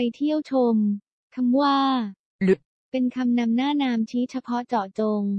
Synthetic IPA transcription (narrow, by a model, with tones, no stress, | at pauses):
a˧jt̪ʰi˥˩əwt͡ɕʰo˧m | kʰa˧mwaː˥˩ | lɯ˨˦˥ | pe˧nkʰa˧mna˧mnaː˥˩naː˧mt͡ɕʰiː˦˥t͡ɕʰa˧pʰɔ˦˥ʔt͡ɕɔː˨˩t͡ɕo˧ŋ